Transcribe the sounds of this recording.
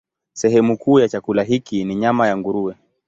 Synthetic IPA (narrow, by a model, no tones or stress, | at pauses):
sɛɦɛmukuːjat͡ʃakulaɦikiniɲamajaŋɡuɾuɛ